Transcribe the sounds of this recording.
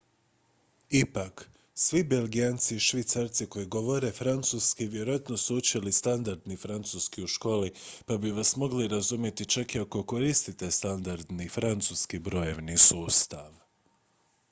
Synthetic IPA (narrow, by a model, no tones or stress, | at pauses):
ipak | sʋibe̞lɡijant̪siːʃʋit̪saɾt̪siko̞jiɡo̞ʋo̞ɾe̞fɾant̪suskiʋje̞ɾojat̪no̞suut͡ʃilist̪and̪aɾd̪nifɾant̪suskiuʃko̞ːlipabiʋasmo̞ɡliɾazumje̞t̪it͡ʃakiako̞ko̞ɾist̪it̪e̞st̪and̪aɾd̪nifɾant̪suːskibɾo̞jeʋnisuːst̪aʋ